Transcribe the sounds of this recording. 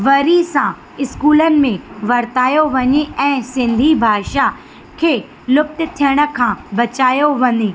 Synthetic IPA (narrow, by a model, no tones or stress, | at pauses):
ʋɐɾisã | ɪskuːlənɪ̆mẽʋɐɾt̪aːjoʋɐɲeɛ̃ːsɪ̃nd̪ʱibʱaːʃa | kʰeː | lʊp̚t̪ɪ̆t̪ʰijəɽ̃ə̆kʰãbɐt͡ɕaːjoʋɐɲe